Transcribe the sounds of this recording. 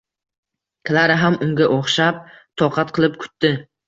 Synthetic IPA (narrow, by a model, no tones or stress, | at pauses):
kʲʰɪlaɾɪɦamʊŋɡʲaʔoχʃap̚t̪ʰɒqʰɑt̪̚qʰɨlˠɪp̚kʰʊ̥t̪ːɪ